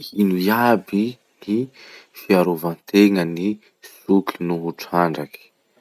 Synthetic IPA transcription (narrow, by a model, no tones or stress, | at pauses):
inujabi | nifiaɾovant̪eŋəni | sukʰinuɦuʈ͡ʂaɳɖ͡ʐaki̥